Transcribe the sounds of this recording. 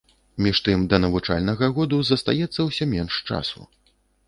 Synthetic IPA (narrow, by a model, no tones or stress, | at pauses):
mʲiʂt̪ɨmd̪ɐnɐvut͡ʂa̰lʲnɐɣɐɣɔd̪uzɐst̪a̰jɛt̪sːɐwsʲɔmʲɛnʂt͡ʂa̰sṵ